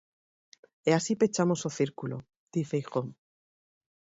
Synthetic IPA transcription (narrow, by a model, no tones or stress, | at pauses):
easipet͡ʃamosoθiɾkulo | d̪̥ifejxom